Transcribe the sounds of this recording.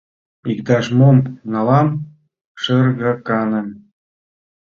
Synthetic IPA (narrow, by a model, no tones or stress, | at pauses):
ikt̪ɑʃmomnɑlɑm | ʃə̆rɣɑkɑnə̆m